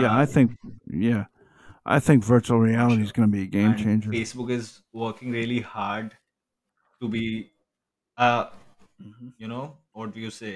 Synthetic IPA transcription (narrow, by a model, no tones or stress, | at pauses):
jæaɪθɪ̃ŋkjæ | ʔa̰ɪθɪ̃ŋkvɜ˞t͡ʃul̩ˠɹiælˠəɾizɡʌnəbiɨɡẽɪ̃mt͡ʃʰẽɪ̃nd͡ʒəeːsbʊkɪz | wəːkɪ̃ŋɾiəlihaːɾɖ | ʈubi | ʌ | m̩m̩junoːɔʈ̚ɖujuseː